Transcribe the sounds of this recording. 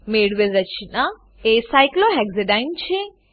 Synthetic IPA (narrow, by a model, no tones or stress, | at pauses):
meːɽʋelɾət͡ʃʰina | esajkloɦɛɡzeɖajnt͡ʃʰe